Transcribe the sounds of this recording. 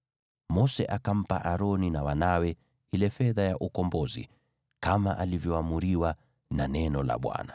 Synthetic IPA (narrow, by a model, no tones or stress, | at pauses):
mɔsɛ̰ʔakam̩paʔaɾɔninawanawɛ | hilɛfɛðajaʔukɔmbɔzḭ | kamaʔalivjɔamuɾiwa | nanɛnɔla̰ɓwa̰na